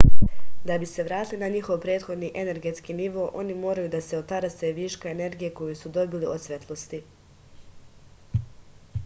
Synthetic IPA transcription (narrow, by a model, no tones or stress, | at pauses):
d̪abise̞ʋɾaːt̪ilinaɲixo̞ʋpɾeːt̪xo̞d̪niʔe̞ne̞ɾɡe̞t̪skiniʋo̞ːʔo̞̰nimo̞ːɾajud̪ase̞ot̪aɾaseʋiːʃkaene̞ɾɡije̞ko̞jusud̪o̞biliʔod̪sʋet̪lˠo̞st̪i